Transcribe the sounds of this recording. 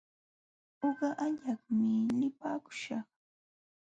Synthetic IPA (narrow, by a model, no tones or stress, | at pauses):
oɢɑʔaʎɑχmɪnɪpaːkʊ̥ʃɑχ